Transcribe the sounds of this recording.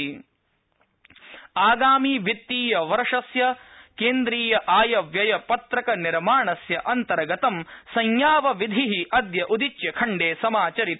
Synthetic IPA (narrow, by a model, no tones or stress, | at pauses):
aːɡaːmiːʋit̪ːiːjɐʋɐɾʂɐsjɐkeːnd̪ɾiːjɐʔaːjɐʋjɐjɐpɐt̪ɾɐkɐniɾmaːɳɐsjɐʔɐnt̪ɐɾɐɡɐt̪ɐmsɐɲjaːʋɐʋid̪ʱiɦiʔɐd̪jɐʔud̪it͡ʃjɐkʰɐɳɖeːsɐmaːt͡ʃɐɾit̪